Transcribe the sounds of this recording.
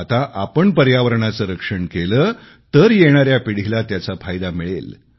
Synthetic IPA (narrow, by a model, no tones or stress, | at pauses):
at̪aʔapəɳpəɾjaʋəɾɳat͡səɾəkʂəɳkeləː | t̪əɾjeɽ̃aɾjapiɽ̤ilat̪jat͡safʰajd̪amiɭḛl